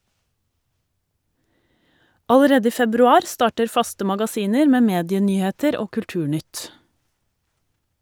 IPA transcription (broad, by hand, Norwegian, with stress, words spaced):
ɑləˈɾeːd ˈiː fɛbɾʉˈɑːɾ ˈstɑːʈəɾ ˈfɑstə mɑɡɑˈsiːnəɾ ˈmeː ˈmeːdɪəˌnyːheːtəɾ ˈoː kʉlˈʈʉːˌɳʏt